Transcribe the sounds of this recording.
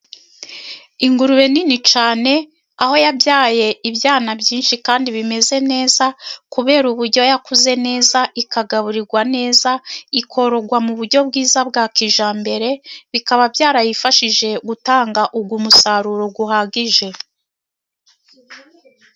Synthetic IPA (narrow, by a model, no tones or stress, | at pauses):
iŋɡuɾuβe̞ninit͡ʃaːne̞ | aho̞jabjaːje̞ibjaːnabjiːnʃikaːndiβime̞ze̞ne̞ːzakuβe̞ːɾuβuɾɟo̞jakuze̞ne̞ːzaʔikaɡaβuɾiɾɡwane̞ːzaikʰo̞ɾo̞ɡwamuβuɾɟo̞bɡiːzab̚ɡaːkiʒaːmbe̞ɾe̞βikaβabjaːɾajifaʃiʒe̞ɡutaːŋɡaʔuɡumusaːɾuɾoɡuɦaɡiʒe̞